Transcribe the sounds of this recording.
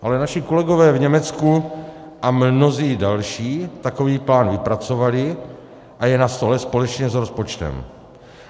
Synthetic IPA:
ʔalɛnaʃɪko̞lɛɡovɛːvɲɛmɛt͡sku | ʔamno̞ziːdalʃiːt̪ako̞viːplaːnvɪpɾat͡sovalɪ | ʔajɛnast̪o̞lɛspo̞lɛt͡ʃɲɛzɾospot͡ʃt̪ɛ̰m

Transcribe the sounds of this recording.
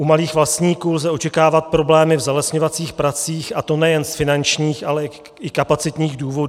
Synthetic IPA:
ʔumaliːxvlast̪ɲiːkuːlzɛo̞t͡ʃɛkaːvat̪̚pɾo̞blɛːmɪvzɛlɛsɲovat͡siːxpɾat͡siːxʔat̪o̞nɛjɛnsfɪnant͡ʃɲiːxʔalɛ | ɪkapat͡sɪt̪ɲiːxduːvo̞duː

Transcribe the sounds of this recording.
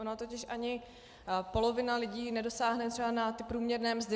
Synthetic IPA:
onat̪o̞cɪʃʔaɲɪ | po̞lo̞vɪnalɪɟiːnɛdo̞saːɦnɛt̪r̥ɛbanat̪ɪpɾuːmɲɛɾnɛːmzdɪ

